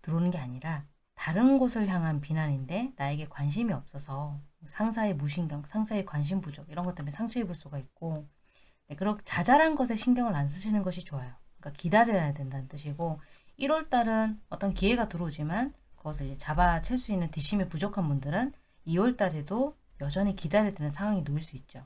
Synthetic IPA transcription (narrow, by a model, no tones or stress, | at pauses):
tɯɾonɯnɡe̞aɲiɾa | taɾɯnɡosʰɯɭçjaŋɦanpinaɲinde̞nae̞ɡe̞kwanɕ̬ʰimiʌp̚s͈ʌsʰʌsʰaŋsʰaemuɕ̬ʰiŋɡjʌŋsʰaŋsʰaekwanɕ̬ʰimpud͡ʑʌkiɾʌnɡʌt͈emjʌnsʰaŋt͡ɕʰeeboɭs͈uɡait̚k͈o | dekɯɾʌkt͡ɕad͡ʑaɾanɡʌs̬ʰe̞ɕʰinɡjʌŋɯɭans̬ʰɯɕʰinɯnɡʌɕʰit͡ɕoajokk͈akidaɾjʌjadwe̞ndanɯnt͈ɯɕʰiɡoiɾʌɭt͈aɾɯnʌt͈ʌnkie̞ɡatuɾod͡ʑimankɯɡʌs̬ʰʌid͡ʑe̞t͡ɕabat͡ɕʰaɭs͈uinːɯntiɕʰimipud͡ʑʌkʰanbundɯɾɯn | iʌɭt͈aɾedo | jʌd͡ʑʌɲikidaɾedwenɯnsʰaŋɦwaŋinoiɭs͈uit̚t͡ɕ͈o